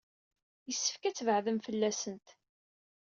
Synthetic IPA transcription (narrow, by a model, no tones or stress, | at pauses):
jəsːə̥fkæt͡sːvəʕðəmfəlːæsənt̪